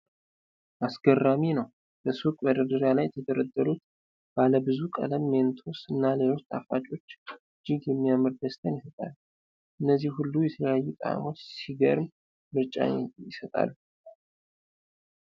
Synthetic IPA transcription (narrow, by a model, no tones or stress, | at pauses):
ʔasɡərːaminəw | b̥əsukʼbəd̪əd̪əɾjalajɛt̪ʰəd̪əɾəd̪ːəɾut̪ | b̥aləbɨzukʼə̰ləmːe̞nt̪ʰo̞sɨnːale̞lo̞st̪ʰa̰fat͡ʃʼo̞t͡ʃːɨd͡ʒɪɡjɛmːijaməɾd̪əst̪ʰənjɪsət̪ʼa̰lːu | ʔɨnːəzːihhulːujɛt̪ʰələjajːut̪ʼaa̰mo̞t͡ʃːsiɡə̰ɾɨm | mɨɾt͡ʃʼa̰jɪsət̪ʼa̰lːu